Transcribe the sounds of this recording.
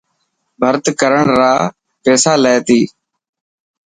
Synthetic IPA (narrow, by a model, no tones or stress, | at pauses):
bʱəɾt̪kəɾəɳɾaː | peːsaːleːt̪iː